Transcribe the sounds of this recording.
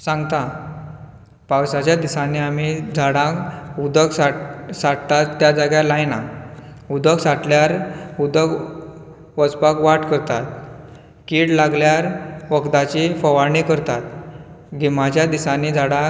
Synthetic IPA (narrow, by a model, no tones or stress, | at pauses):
sãŋɡt̪a | pawsat͡ɕjad̪isaniamid͡zʱaɽãkud̪əksasaʈt̪at̪ːjad͡zaɡjalajnaud̪əksaʈljaɾud̪ək | ʋəd͡zpakʋaʈkəɾt̪at̪̚ | kiːɽlaɡljaɾʋəkt̪at͡ɕifəʋaɾɳikəɾt̪at̪ɡimat͡ɕjad̪isaniːd͡zʱaɽã